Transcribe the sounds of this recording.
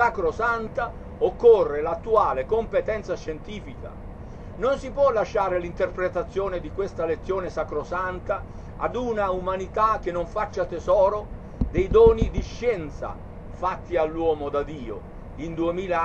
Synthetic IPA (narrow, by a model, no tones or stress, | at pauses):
sakɾosant̪a | okːorːelat̪ːuaːlekompet̪ɛnt̪saʃent̪iːfika̰ | nonsipwɔlːaʃːaːɾelint̪erpɾet̪at̪sːjoːnɪd̪ikwest̪alet̪sːjoːnesakɾosant̪a | a̰d̪unaumanit̪ak̟ːenːoɱfat͡ʃːat̪ɛzɔːɾo | d̪ɛjd̪ɔːnid̪iʃːɛnt̪sa̰ | fat̪ːialːwɔːmod̪ad̪iːo̰ | ind̪uemiːla